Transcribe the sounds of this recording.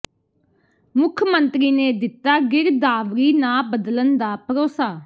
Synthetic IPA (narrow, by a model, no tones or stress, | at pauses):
mʊkʰmə̃nt̪ɾiːneːd̪ɪt̪ːaːɡɪɾd̪aːʋɾiːnãːbəd̪lənd̪aːpəɾoːsaː